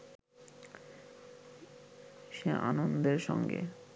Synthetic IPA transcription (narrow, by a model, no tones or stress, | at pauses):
ʃeʔanond̪eɾʃɔŋɡḛ